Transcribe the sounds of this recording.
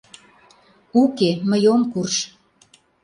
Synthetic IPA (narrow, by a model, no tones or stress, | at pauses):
ukeməjomkurʃ